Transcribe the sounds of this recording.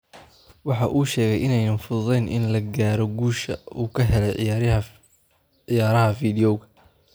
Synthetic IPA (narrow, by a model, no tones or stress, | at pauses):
wɑħɑʔuːʃɛːɣɛjʔɪnɛjnɐnfʊððɛjnʔɪ̰nlɐɡaːɾɔɡuːʃɐuːkʰɐɦɛlɛj | ɪjaːɾɐɦɐfiːd̪ɪjɔwɣɐ